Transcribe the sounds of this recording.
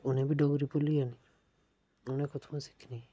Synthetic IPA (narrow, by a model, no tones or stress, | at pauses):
ʊnẽbʱiɖɔɡɾipʊliani | ʊnẽkʊt̪ʰsɪ̥kʰni